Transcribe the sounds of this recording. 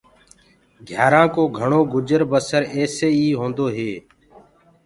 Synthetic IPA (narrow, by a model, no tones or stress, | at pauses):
ɡʱjaːɾãːkoːɡʱəɳoːɡʊd͡ʒəɾbəsəɾɛːseːiːɦõːnd̪oːɦeː